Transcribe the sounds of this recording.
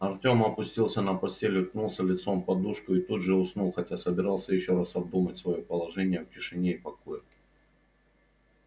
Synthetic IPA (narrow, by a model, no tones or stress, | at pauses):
ɐrtʲo̞mɐpʊsʲtʲilˠsʲənəpɐsʲtʲelʲɪknulˠsʲəlʲɪt̪so̞mpɐd̪uʂkʊɪt̪ud̪ʐɨʊsnulˠxɐtʲasəbʲɪɾɑlˠsʲəjɪɕːo̞ɾasɐb̚d̪umətʲsvɐjopəlˠɐʐɛnʲɪjəfkʲɪʂɨnʲeipɐkojɪ